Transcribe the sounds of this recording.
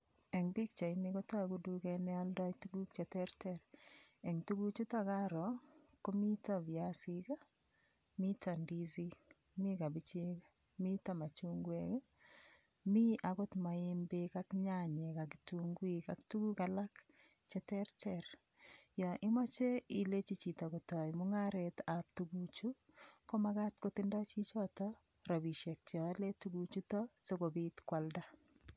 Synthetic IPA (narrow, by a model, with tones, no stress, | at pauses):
ɛ˨ŋbi˦kt͡ʃa˨ɪni˦kɔ˦ta˦ɡu˦du˦kɛ˧nɛ˦a˦lda˦itu˦ɡu˦k̚t͡ʃɛ˨tɛ˦ɾtɛɾɛ˨ŋtu˦ɡu˦t͡ʃu˦ta˦ka˦ɾɔ˨ | ko˦mi˦ta˦vi˨a˦sika˦ | mi˦ta˨ndi˦zi˦ | mi˦ka˨bi˨t͡ʃe˦ka | mi˦ta˨ma˨t͡ʃu˦ŋɡwek | mi˦ʔa˨ɡɔ˦tma˨ɪ˦mbe˦ka˦kɲaɲɛ˨kakituŋɡwikaktu˦ɡu˦kalak | t͡ʃɛtɛɾt͡ʃɛr | jɔʔɪ˦mɔ˦t͡ʃe˦i˨le˦t͡ʃi˦t͡ʃi˨tɔko˨tɔ˨jmʊŋaɾɛtap̚tuɡut͡ʃu | komaka˦tkotɪndɔ˦t͡ʃi˦t͡ʃɔtɔ | ɾɔ˨bi˨ʃɛk̚t͡ʃːle˦tuɡut͡ʃutɔsokobitkwalda